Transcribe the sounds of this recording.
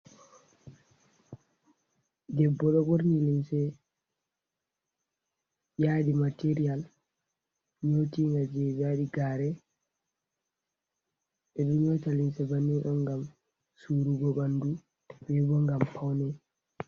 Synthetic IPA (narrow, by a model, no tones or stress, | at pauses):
dɛbːɔɗɔbɔɾnilinsɛ | jaːɗimateɾijal | ɲotiŋɡad͡ʒɛbjaɗiɡaːɾɛ | ɛɗunɲɔtalinsɛbanːiɗɔnɡam | suːɾuɡɔɓandu | bɛbɔŋɡampawnɛ